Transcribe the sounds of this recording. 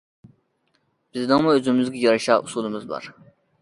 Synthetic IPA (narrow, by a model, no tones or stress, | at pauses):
b̥iznɑŋmuøzymyzɡʲɛjɑɾɨʃɑːʔusulˠɨmɨzbɑ̰ɾ